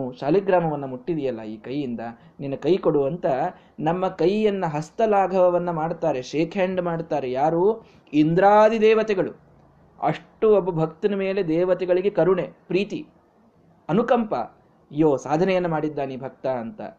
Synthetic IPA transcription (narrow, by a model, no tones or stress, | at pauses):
uʃaːliɡɾaːmɐʋɐnːɐmuʈːid̪ijɐlːɐḭːkɐjːind̪ɐ | ninːɐkɐjkoɽuʋɐnt̪ɐ | nɐmːɐkɐjːɐnːɐɦɐst̪ɐlaːɡʱɐʋɐʋɐnːɐmaːɽt̪aːɾeʃeːkʰeɳɖmaːɽt̪aːɾejaːɾuː | ind̪ɾaːd̪id̪ɛːʋɐt̪ɛɡɐɭu | ɐ̰ʂʈuobːɐbʱɐk̚t̪inɐme̞ːle̞d̪ɛːʋɐt̪ɛɡɐɭiɡe̞kɐɾuɳepɾiːt̪i | ɐnukɐmpɐ̰ | joːsaːd̪ʱɐnɛjɐnːɐmaːɽid̪ːaːnibʱɐk̚t̪aɐnt̪ɐ̰